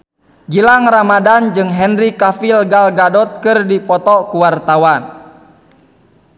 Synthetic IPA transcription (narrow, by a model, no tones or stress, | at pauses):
ɡilaŋramadand͡ʒɨŋɦɛnrikafilɡalɡadɔt̪̚kɨrdipɔt̪ɔkuwart̪awan